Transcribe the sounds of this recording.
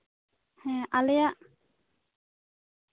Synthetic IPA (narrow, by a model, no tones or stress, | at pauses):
hɛ̃ʔalɛjaʔ